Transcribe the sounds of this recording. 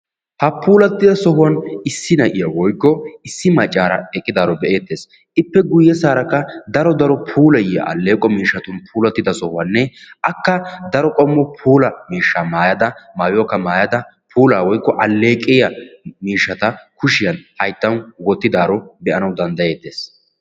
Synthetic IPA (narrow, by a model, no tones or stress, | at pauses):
hɐpʰuːlɐt̪ːɪd̪ɐsɔhʊwɐnɪsːɪnɐʔɪjɐwɔjkːɔɪsːɪmɐt͡ʃʼːaːɾɐ̰ɛkʼːɪd̪aːɾɔbɛʔe̞ːt̪ːeːs | ʔɪpːɛɡʊjːɛsaːɾɐkːɐd̪ɐɾɔd̪ɐɾɔpʰuːlɐjɪjɐ̰ʔɐ̰lːe̞ːkʼɔmiːʃːɐt̪ʊnpʰuːlɐt̪ːɪd̪ɐsɔhʊwɐnːɛʔɐkːɐd̪ɐɾɔkʼɔmːɔpʰuːlɐmiːʃːamaːjɐd̪ɐmaːjoːkːɐmaːjɐd̪ɐ | pʰuːlaːwɔjkːɔʔɐlːe̞ːkʼɪjɐmiːʃːɐt̪ɐkʊʃɪjɐnhɐjt̪ːɐwwɔt̪ːɪd̪aːɾɔbɛʔɐnɐwd̪ɐnd̪ɐje̞ːt̪ːeːs